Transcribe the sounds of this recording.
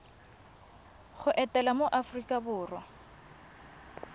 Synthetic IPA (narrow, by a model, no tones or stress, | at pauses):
χʊʔɛtʼɛlamoʔafrikʼabʊːrwa